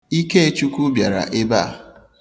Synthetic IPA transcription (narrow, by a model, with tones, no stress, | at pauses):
i˦ke˦e˦t͡ʃu˦ku˦bja˨ɾa̰˨ʔe˦ba˦a˨